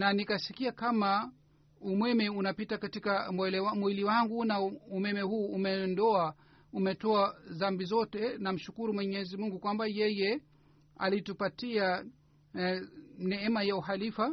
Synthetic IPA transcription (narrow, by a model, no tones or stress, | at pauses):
nanikasikiakama | umwɛmɛunapitakatikamwɛlɛwamwiliwaŋɡunaumɛmɛhuːmɛɔndɔa | umɛtɔazambizɔtɛnam̩ʃukuɾumwɛɲɛzimuŋɡukwambajɛjɛ | a̰litupatia | nɛɛmajauhalifa